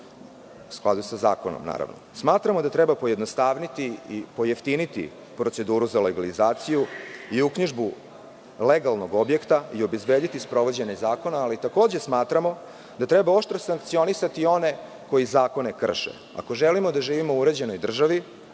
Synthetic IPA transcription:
usklˠad̪usaza̰ːkono̰mna̰ːɾa̰ʋno̰smaːt̪ɾamo̞d̪at̪ɾebapo̞jed̪no̞st̪aːʋnit̪iipo̞jeft̪init̪ḭ | pɾo̞t̪se̞d̪uːɾuzaleɡalizaːt̪sijuiukɲiʒbu | leɡalˠno̞ɡo̞bje̞kt̪aio̞bezbeːd̪it̪ispɾo̞ʋo̞d͡ʑeɲazaːko̞naːlit̪ako̞ːd͡ʑesmaːt̪ɾamo̞ | d̪at̪ɾebao̞ʃt̪ɾosaŋk̚t̪sio̞nisat̪io̞ne̞ | ko̞jizaːko̞ne̞kr̩ʃḛ | a̰ko̞ʒelimo̞d̪aʒiːʋimouɾe̞d͡ʑe̞no̞jd̪r̩ʒaʋi

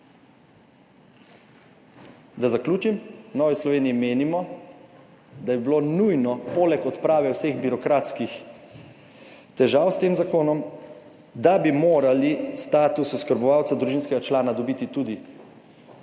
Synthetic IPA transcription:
d̪azakluːt͡ʃimnɔːʋislɔʋeːniimeːnimɔ | d̪abibiloːnujnɔpoːlɛkɔt̪pɾaːʋɛwseɣbiɾɔkɾat̪skix | t̪ɛʒaːwst̪eːmzakoːnɔm | d̪abimoːɾalist̪aːt̪ususkəɾbɔʋaːwt̪sad̪ɾuʒiːnskɛɡat͡ʃlaːnad̪ɔbiːt̪it̪ud̪i

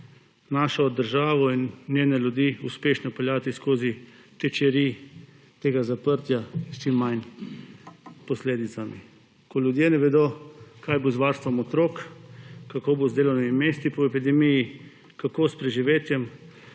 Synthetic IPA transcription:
naːʃɔd̪əɾʒaːʋɔinːnjeːnɛljud̪iːuspeːʃnɔpɛljaːt̪iskoːzit̪ɛt͡ʃɛɾi | t̪eːɡazapəɾt̪jast͡ʃimːajn | pɔsleːd̪it̪sami | kɔljud̪jenɛʋɛd̪oːkaːjbozʋaːɾst̪ʋɔmɔt̪ɾoːkkːakoːbozd̪eːlɔwnimimeːst̪ipɔɛpid̪ɛmiji | kakoːspɾɛʒiʋeːt̪jɛm

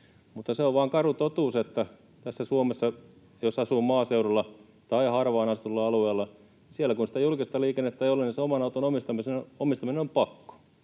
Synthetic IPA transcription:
mut̪ːɑseoʋʋɑːŋkɑrut̪ot̪uːset̪ːæ | t̪æsːæsuomesːɑ | josɑsuːmɑːseurolːɑ | t̪ɑihɑrʋɑːnɑst̪ulːɑɑlueːlːɑ | sielækunsĭ̥t̪æjulkist̪ɑliːkenːet̪ːæeijoleniseomɑnɑut̪onomist̪ɑmisenomist̪ɑminenompɑkːo̥

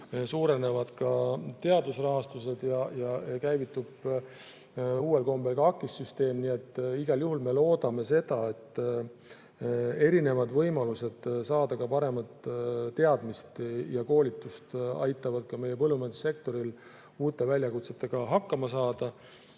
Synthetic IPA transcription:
suːɾe̞ne̞vɑd̪̥kɑt̪e̞ɑd̪usrɑɦɑst̪use̞d̪̥jɑjɑkæjvit̪ːˑub̥ | uːe̞lko̞mbe̞lɡɑɑkːˑisːyst̪e̞ːmnie̞t̪ːiɡ̥ɑljuɦulme̞lo̞ːd̪ɑme̞se̞d̪̥ɑe̞t̪ː | e̞ɾine̞vɑd̪vɤ̞jmɑluse̞d̪̥sɑːd̪̥ɑkɑpɑɾe̞mɑt̪t̪ːe̞ɑd̪mist̪jɑko̞ːlʲit̪ːˑust̪ɑ̰jt̪ːˑɑvɑd̪̥̚kɑme̞jepɤlːumend̪̥se̞k̚t̪o̞ɾil | uːt̪ːˑe̞vælʲjɑkut̪se̞t̪ːe̞ɡ̥ɑɦɑkːɑmɑsɑːd̪̥ɑ

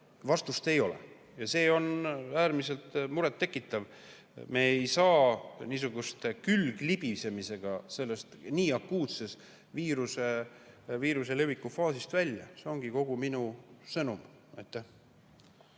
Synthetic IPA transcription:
vɑst̪ust̪e̞jo̞lḛ | jɑse̞ːo̞næːɾmise̞lt̪muɾet̪ːe̞kːˑit̪ːˑɑv | me̞ːejsɑːniːsuɡ̥ust̪kylɡ̥lib̥ise̞mise̞ɡ̥ɑse̞lːe̞st̪niːɑkːuːt̪se̞s | viːɾuse̞ | viːɾuse̞levikːˑufɑːsist̪vælʲjɑ̰seoŋɡ̥iko̞ɡ̥uminusɤnum | ɑ̰jt̪ːˑæh

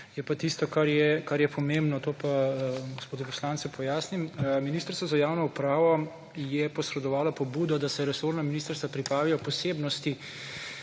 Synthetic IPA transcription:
jɛpat̪ist̪ɔkaɾjɛkaɾjɛpʰɔmembnɔt̪oːpaɡospoːd̪ɛpɔ̥slaːnt̪sɛpʰɔjaːsnimminiːst̪əɾsʋɔzajaːwnɔupɾaːʋɔ | jɛpɔsɾɛd̪ɔʋaːlapɔbuːd̪ɔd̪asɛɾɛsoɾnaminist̪əɾst̪ʋapɾipɾaːʋijɔpɔseːbnɔst̪i

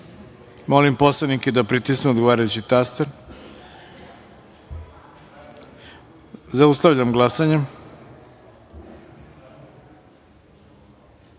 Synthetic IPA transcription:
mo̞limpo̞slˠaniked̪apɾit̪isneod̪ɡoʋaːɾajut͡ɕit̪ast̪eɾ | zaust̪aʋʎamɡlˠasaɲe

